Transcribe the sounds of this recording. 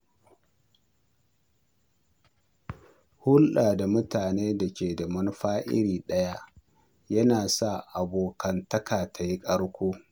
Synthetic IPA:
hʊ˦lɗaː˨da˨mʊ˦taː˨neː˦dɐ˨kʲeː˨dɐ˨mɐ˦n˦ɸaː˦ʔɪ̰˦ɽiː˨ɗɐ˦ja˦ʔ | jɐ˦naː˨sa˦˨ʔa˨boː˨kɐ˨ntɐ˦kaː˨ta˨ji˦kʼɐ˦ɽkʷoː˦

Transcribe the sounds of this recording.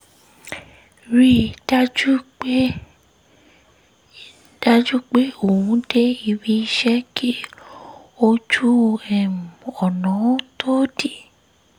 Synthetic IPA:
ɾi˦da˦d͡ʒu˦k͡pe˦ | d̥a˦d͡ʒu˦k͡pe˦o˦˨wũ˨˧˦de˦i˧bi˧i˦ʃɛ˦kʰi˦ | o˦d͡ʒu˦ɛ˨mũ˨ɔ˨nã˨˦ũ˦tʰo˦di˦˨

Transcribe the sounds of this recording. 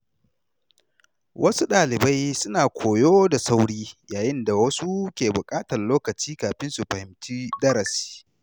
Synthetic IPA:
wʔɐ˦su˦ɗaː˨lɪ˨ba˦jsʊ˦naː˨kʷʰoː˨joː˦da˨sa˦wɽiː˦jaː˨jɪ˦nda˨wɐ˦su˦kʲeː˨bʊ˨kʼaː˦tɐ˨rloː˦kɐ˨t͡ʃiː˦kaː˨ɸɪ˦nsu˨ɸɐ˨hɪ˨mt͡ʃiː˦dɐ˦ɾɐ˨si̥ː˦

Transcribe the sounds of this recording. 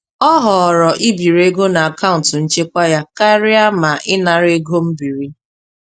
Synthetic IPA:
ɔ˦ɦɔ˨ɾɔ˨ʔi˦bi˨ɾe˦ɡo˦na˨a˨ka˦ʊ̃˨n̩˨tʊ˨n̩˦t͡ʃe˦kʷa˦ja˦ka˦ɾɪ˦a˦ma˨ʔɪ˦na˨ɾe˦ɡo˦m̩˦bi˨ɾi˦

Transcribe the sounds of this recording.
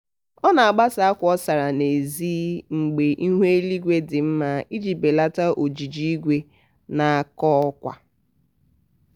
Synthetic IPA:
ɔ˦na˨a˨ɡ͡ba˦sa˨a˦kʷɔ˦sa˨ɾa˨ne˨ziː˦ŋ͡m̩˨ɡ͡be˨ʔi˦ɦʷe˦li˦ɡʷe˦dɪ˨m̩˦ma˦i˦d͡ʒi˨be˨la˦ta˦ʔo˨d͡ʒi˨d͡ʒi˦i˦ɡʷe˦ | na˨a˨kɔ˦ɔ˦kʷa̰˨

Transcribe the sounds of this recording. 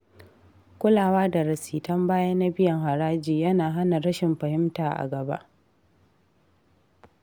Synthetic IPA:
kʷʊ˦laː˨waː˦da˨ɾɐ˨siː˨tɐ˦mbaː˦jɐ˦nːa˦bɪ˦jɐ˨ŋɦa˨ɾaː˦d͡ʒiː˨jɐ˦naː˨ɦa˦na˨ɾɐ˦ʃɪ˨mɸɐ˨hɪ˦mtaː˨ʔa̰˨ɡɐ˨ba̰˦ʔ

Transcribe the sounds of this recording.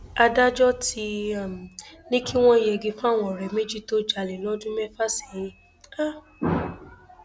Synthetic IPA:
a˧da˦d͡ʒɔ˦ti˧˦a˨m˨nĩ˦ki˦w̃ɔ̃˦i˨jɛ˧˨ɡi˧fã˦˨w̃ɔ̃˨ɾɛ˨me˦d͡ʒi˦to˦d͡ʒa˧le˨lɔ˦dũ˦mɛ˦fa˦se̥˨˦ | a˦

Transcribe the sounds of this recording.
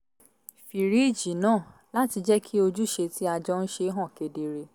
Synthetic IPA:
fi˨ɾi˨˦˨d͡ʒi˨nãː˦˨ | la˦ti˧d͡ʒɛ˦kʰi˦o˧d͡ʒu˦ʃe˧ti˦a˧d͡ʒɔ˦n̩˦ʃe˧˦ɦɔ̃˦˨ke˧de˧ɾe˧

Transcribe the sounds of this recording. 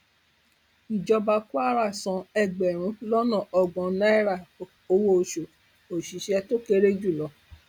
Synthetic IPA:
i˨d͡ʒɔ˧ba˧ku˦a˦ɾa˦˨sɔ̃˧ɛ˧˨ɡ͡bɛ˨ɾ̃ũ˧˦lɔ˦nɔ̃˦˨ʔɔ˨ɡɔ̃˨nã˦ɛ˦ɾa˦˨ | o˧wo˧˦˨ʃo˨ | o˨ʃi˨ʃɛ˧to˦ke˧ɾe˦d͡ʒu˦˨lɔ˨˦

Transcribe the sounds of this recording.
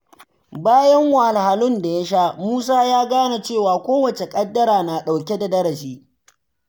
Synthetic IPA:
baː˦jɐ˦ŋwa˨a˨lha˨lʊ˦nda˨ja˦ʃaː˦muː˦s̬aː˦jaː˦ɡaː˦na˨t͡ʃeː˦˨waː˨kʷoː˦wɐ˨t͡ʃe˨kʼɐ˦dːɐ˦ɾaː˨na˨ɗa˨wkʲe˦da˨dɐ˦ɾɐ˨ʃiː˦

